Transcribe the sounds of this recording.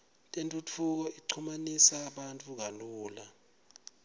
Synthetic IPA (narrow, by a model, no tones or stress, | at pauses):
tʼentʼutʰuk̬ɔiǀʰumanisaːɓantʼuk̬aluːla